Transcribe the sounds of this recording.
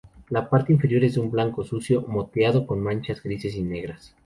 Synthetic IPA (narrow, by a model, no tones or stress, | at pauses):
lapaɾt̪eiɱfe̞ɾjo̞ɾe̞zdumblaŋko̞susjo̞mo̞t̪jaðo̞ko̞nmãnt͡ʃazɡɾise̞s̬ine̞ɣɾas